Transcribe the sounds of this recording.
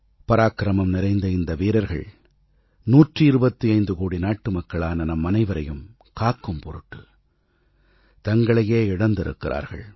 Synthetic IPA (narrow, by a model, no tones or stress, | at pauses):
pɐɾaːkɪɾɐmɐmnɪɾɐɪnd̪ɐɪnd̪ɐʋiːɾɐɾɣɐ̰ɭ | nuːʈrɯɪɾɯbɐt̪ːiɐɪnd̪ɯkuːɽinaːʈːɯmɐkːɐɭaːnɐnɐmːɐnɐɪʋɐɾɐjɯm | kaːkːɯmpɔɾɯʈːɯ | t̪ɐŋɡɐɭɐjeːɪɽɐnd̪ɪɾɯ̰kːɪɾʔa̰ːɾɣɐ̰ɭ